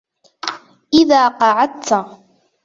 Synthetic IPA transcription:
ʔɪðaːqɑʕɑd̪̚t̪a

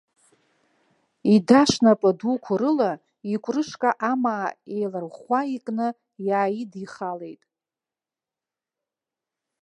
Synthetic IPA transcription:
idaʂnapʼɨdukʷʰʊɾɨla | ikʷʼrɨʂkʼaʔamaːejlarχʷaikʼnɨ | jaːjidiχale̞jtʼ

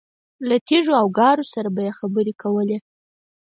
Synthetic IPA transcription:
lat̪eʐoawɡɑɾosaɾabajexabəɾekawəle

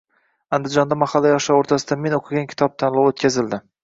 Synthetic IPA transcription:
and̪ɪd͡ʒɒnd̪amahalːajɒʃaoɾt̪ʰasɪd̪ame̞noqʰɨɡʲankʲʰɪ̥t̪ʰɒb̚t̪ʰanlˠɒwot̪̚kʲʰazɪld̪ɪ

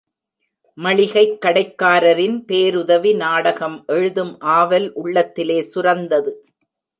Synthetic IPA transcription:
mɐɭɪɣɐɪkːɐɽɐɪkːaːɾɐɾɪnpeːɾʊðɐʋinaːɽɐɣɐmʔɛɻɯðɯmʔaːʋɐlʔʊɭːɐt̪ːɪleːsʊɾɐnd̪ɐðɯ

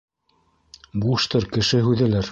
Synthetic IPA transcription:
buʃt̪ɤɾkɘ̆ʃɘɦʉðæ̆læɾ

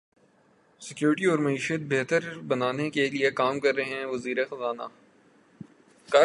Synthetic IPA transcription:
sɪkjuːɾʈiɔːɾmɐiːʃət̪̚beɦt̪əɾbɐnaːnekeliekaːmkɐɾːeɦɦɛ̃ʋɐziːɾexɐzaːna | kɐ

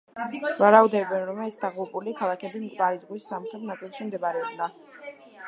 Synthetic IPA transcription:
vaɾaud̪ɛbɛnɾɔmɛsd̪aʁupʼulikʰalˠakʰɛbimk̪ʼvaɾizʁwisːamχɾɛt̪ʰnat̪sʼilˠʃimd̪ɛbaɾɛɔbna

